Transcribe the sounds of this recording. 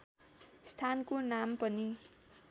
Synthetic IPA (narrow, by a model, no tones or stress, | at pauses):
st̪ʰankonampʌni